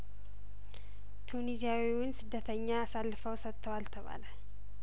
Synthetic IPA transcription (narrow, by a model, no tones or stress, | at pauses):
t̪ʰunizijawiwʊnsɨd̪ːət̪ʰəɲːaːsalːɨfəwsət̪ːəwalt̪ʰəβa̰laɲ